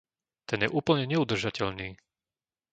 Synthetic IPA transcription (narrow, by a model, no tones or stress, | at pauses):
t̪ɛnjɛʔuːpl̩ɲɛɲɛud̪r̩ʒacɛʎniː